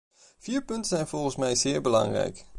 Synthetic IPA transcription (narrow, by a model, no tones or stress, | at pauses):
fiːɹpɵntəzɛjnv̥ɔlˠχənsmɛjzɪːɹbəlɑ̰ŋrɛ̰jk